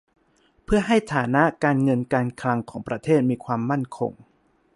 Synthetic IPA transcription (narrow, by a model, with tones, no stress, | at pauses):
pʰɯ˥˩ɐɦa˥˩jt̪ʰaː˩˦na˦˥ʔkaː˧nŋɤ˧nkaː˧nkʰla˧ŋkʰɔː˩˦ŋpɾa˧t̪ʰeː˥˩t̪̚miː˧kʰwaː˧mːa˥˩nkʰo̰˧ŋ